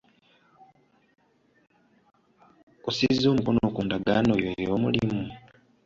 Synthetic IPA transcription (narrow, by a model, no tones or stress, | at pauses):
osizo̞ːmukono̞kuːndaɡanojojoːmṵlimu